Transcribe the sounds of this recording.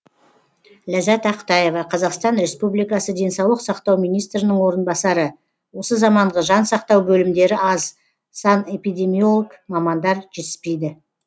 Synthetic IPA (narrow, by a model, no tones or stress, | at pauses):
læzæt̪ɑqə̥t̪ɑje̞vɑqʰɑzɑqst̪ɑnɾe̞spublijkɑsəd̪e̞nsɑwlˠəqsɑqt̪ɑwmijnijst̪ɾɪnɪɴwo̞ɾənbɑsɑɾə | wo̞səzɑmɑɴʁəʒɑnsɑqt̪ɑwbɵlɪmd̪e̞ɾɪɑz | sɑne̞pijd̪e̞mijolˠəɡmɑmɑnd̪ɑɾʒ̥e̞t̪ɪ̥spe̞jd̪ɪ